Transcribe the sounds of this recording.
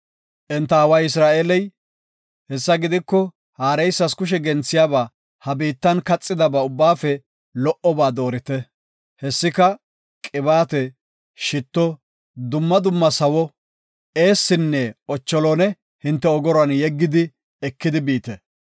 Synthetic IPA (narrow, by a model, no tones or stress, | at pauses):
ʔɛnt̪ːɐɐwɐjɪs̬ɾaːʔeːlɛj | hɛsːɐɡɪd̪ɪkːɔ | haːɾɛjsːɐskʊʃ̬ɛɡɛnt͡sːɪjaːbaː | hɐbiːt̪ːɐnkɐt͡sʼːɪd̪ɐbɐʊbːaːfɛ | lɔʔɔbaːd̪o̞ːɾɪt̪ɛ | hɛsːɪkɐ | kʼɪbaːt̪ɛ | ʃɪt̪ːɔ | d̪ʊmːɐd̪ʊmːɐsɐwɔ | e̞ːsːɪnːɛɔt͡ʃːɔlɔːnɛ | hɪnt̪ːɛɔɡɔɾɐnjɛɡːɪd̪ɪ | ɛkːɪd̪ɪbiːt̪ɛ